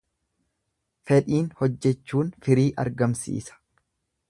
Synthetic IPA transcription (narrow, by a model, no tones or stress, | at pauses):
fɛᶑiːnhɔd͡ʒːɛt͡ʃːuːnfɪɾiːʔɐ̰ɾɡɐmsḭːsɐ̥